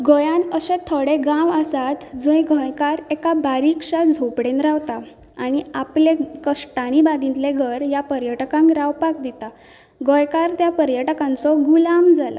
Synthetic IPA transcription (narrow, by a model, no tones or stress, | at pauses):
ɡɔjãnəsẽt̪ʰoɽeɡãʋəsat̪d͡zə̃jɡʱɔjkaɾekabaɾikʂad͡zʱopɽenɾawt̪aː | ɽ̃iaplekəʂʈaɽ̃ibad̪int̪leɡʱəɾjapəɾjəʈkãŋkɾawpak̚d̪it̪a | ɡɔjkaɾt̪japəɾjəʈəkãnt͡sɔɡulamd͡zala̰